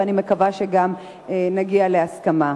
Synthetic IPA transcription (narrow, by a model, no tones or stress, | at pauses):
animekavaʃeɡam | naɡialeaskama